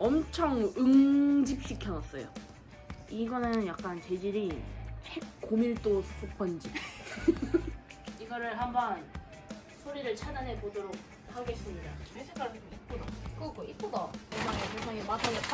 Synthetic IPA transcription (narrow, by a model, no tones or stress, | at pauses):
ʌmt͡ɕʰʌŋɯŋd͡ʑip̚ɕ͈ikʰjʌnʌs͈ʌ̰jo | iɡʌnajɯnjak̚k͈ant͡ɕe̞d͡ʑiɾihek̚k͈omiɭt͈osʰupʰʌnd͡ʑi | iɡʌɾɯɭɦambʌn | sʰoɾiɾɯɭt͡ɕʰadane̞bodoɾok̚ | haɡeis͈ɯmɲidamesʰekʰaɭsʰekoit̚k͈odʌkʌɡoit̚p͈odʌkesaŋesʰeŋsʰaŋematʰaɡe